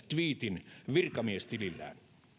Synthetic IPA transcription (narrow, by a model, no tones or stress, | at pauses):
t̪ʋiːt̪inʋirkɑmiest̪ililːæ̰ːn